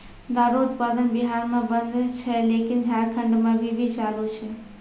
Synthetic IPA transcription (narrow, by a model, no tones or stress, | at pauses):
d̪aɾuut̪pad̪ənbiɦaɾmebənd̪ʱt͡ʃʰɛlekind͡ʒʱaɾkʰəɳɖmebʱibʱit͡ʃalut͡ʃʰɛ